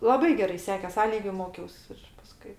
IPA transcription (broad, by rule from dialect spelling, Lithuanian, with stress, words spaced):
lˠɐˈbɐɪ ɡʲɛˈrɐɪ ˈsʲæːkʲeːs ˈɐ ˈlʲiːɡʲʊ ˈmoːkʲɛʊs ɪr pɐˈskʊɪ